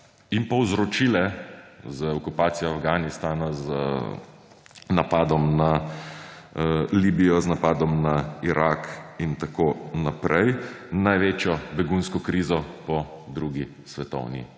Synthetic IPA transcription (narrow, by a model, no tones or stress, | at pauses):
impɔwzɾɔt͡ʃiːlɛzəɔkupaːt̪sijɔafɡaːnist̪aːnazə̰ | napaːd̪ɔmna | liːbijɔznapaːd̪ɔmnaiɾʔakint̪akoːnapɾɛjnajʋeːt͡ʃjɔbɛɡunskɔkɾiːzɔpɔ | d̪ɾuɡi | sʋɛt̪ɔ̰wnḭ